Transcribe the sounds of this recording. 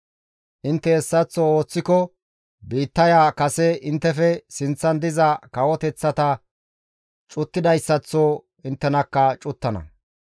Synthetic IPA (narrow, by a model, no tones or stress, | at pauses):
ʔɪnt̪ːɛːsːɐt͡sːoːo̞ːt͡sːɪkɔ | biːt̪ːɐjaːkɐsɛɪnt̪ːɛfɛsɪnt͡sːɐnd̪ɪzɐkɐwɔt̪ɛt͡sːɐt̪ɐ | t͡ʃʼʊt̪ːɪd̪ɐjsːɐt͡sːoː | ɪnt̪ːɛnɐkːɐt͡ʃʼʊt̪ːɐnɐ̰